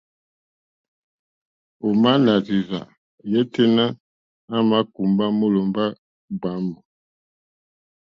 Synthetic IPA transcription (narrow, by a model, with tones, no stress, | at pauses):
o˨ma˦na˨zi˨va̰˨ | jɛ˦tɛ˦na˦ | a˦ma˦ku˨mba˦mo˦lo˨mba˦ | ɡ͡ba˨˦mbɔ˨